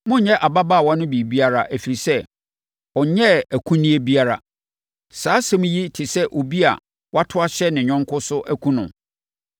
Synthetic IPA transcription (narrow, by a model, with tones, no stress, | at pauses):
mʊ̃˦ɲ̩˨ɲɛ̃˦ʔa˨ba˦ba˦˨wɔ̃˦nʊ̃˦bi˨bi˦a˦ɾa˨ʔæ˨fi˨ɾi˨sɛ˦ | ɔ˨ɲɛ˦æ˨kʰũ˦nĩ˦e˦bi˦a˦ɾa˨ | saː˨˦sã˦m̃˦ji˦tʰɪ˨sɛ˦ʔo˨bi˦a̰˨ | wʔa˦tʰʊ˦a˦ɕɛ˦nɪ̃˨ɲᶣɔ̃˦ŋkʰʊ˦sʊ˦ʔæ˦kʰũ˦nʊ̃˨